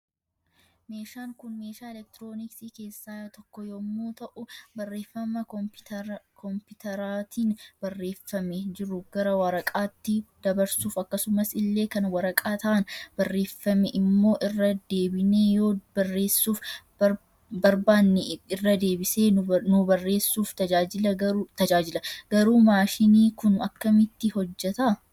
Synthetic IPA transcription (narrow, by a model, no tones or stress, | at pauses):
me̞ːʃaːŋkʊnmeːʃaːɛlɛk̚t̪ɪɾo̞ːnɪksiːke̞ːsːaːjt̪ɔkːɔjomːuːt̪ɐʔʊbɐrːe̞ːfːɐmɐ | kʰɔmpʊt̪ɐɾaːt̪iːnb̥ɐrːe̞ːfːɐmɛd͡ʒɪɾʊɡ̥ɐɾɐwɐɾɐkʼaːt̪ːɪd̪ɐbɐɾsuːfɐkːɐsʊmɐsɪlːe̞ːkɐnwɐɾɐkʼaːt̪ɐʔɐnbɐrːe̞ːfːɐmɛʔɪmːo̞ːʔɪrːɐd̪e̞ːbɪneːjo̞ːbɐrːe̞ːsːuːfbɐ | bɐɾbaːnːɪɪrːɐd̪e̞ːbɪse̞ːnʊbɐrːe̞ːsːuːft̪ɐd͡ʒaːd͡ʒɪlɐɡɐɾut̪ɐd͡ʒaːd͡ʒɪlɐɡ̥ɐɾuːmaːʃɪniːkʊnɐkːɐmɪt̪ːɪhɔd͡ʒːɛt̪ɐ